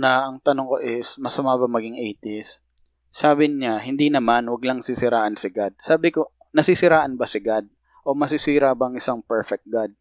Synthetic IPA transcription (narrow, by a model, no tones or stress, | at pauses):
nɐʔɐŋt̪ɐnoŋko̞ʔɪsmɐsɐmabɐmɐɡɪŋʔɛjt̪ɪsː | aːbɪɲaɦɪnd̪inɐmanwɐɡlɐŋsisɪɾaːʔɐnsɪɡad̪̚saːbɪko̞ | nɐsisɪɾaːʔɐnbɐsɪɡad̪̚ | ʔo̞mɐsɪsiːɾabaɐŋʔɪsaŋpɛɹfɛk̚t̪̚ɡad̪̚